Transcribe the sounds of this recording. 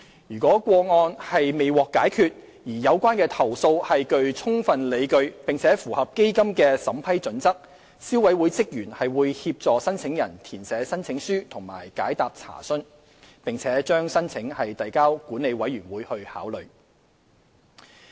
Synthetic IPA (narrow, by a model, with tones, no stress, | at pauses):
jyː˨˩kʷɔː˨˥kʷɔː˧ŋɔː˧nhɐ˨jme˨jwɔː˨kːaː˨˥jkʰyː˨˧t̚ | jiː˨˩jɐ˨˧wkʷaː˥nkɛː˧t̪ʰɐ˨˩wso˧whɐ˨jkɵ˧ɥt͡sʰʊ˥ŋfɐ˨nle˨˧jkɵ˧ɥpɪ˨ŋt͡sʰɛː˨˥fuː˨˩hɐ˨p̚ke˥jkɐ˥mkɛː˧sɐ˨˥mpʰɐ˥jt͡sɵ˨˥nt͡sɐ˥k̚ | si˥wɐ˨˥jwuː˨˥jt͡sɪ˥k̚jyː˨˩nhɐ˨jwuː˨˧jhiː˧p̚t͡sɔː˨sɐ˥nt͡sʰɪ˨˥ŋjɐ˨˩nt̪ʰiː˨˩nsɛː˨˥sɐ˥nt͡sʰɪ˨˥ŋsyː˥t̪ʰʊ˨˩ŋma̰ː˨˩jkaː˨˥jt̪aː˨p̚t͡sʰa̰ː˨˩sɵ˥n | pɪ˨ŋt͡sʰɛː˨˥t͡ʃœː˥ŋsɐ˥nt͡sʰɪ˨˥ŋhɐ˨jt̪ɐ˨jkaː˥wkuː˨˥nːe˨˧jwɐ˨˥jɥyː˨˩nwuː˨˥jhɵ˧ɥha̰ː˨˥wlɵ˨ɥ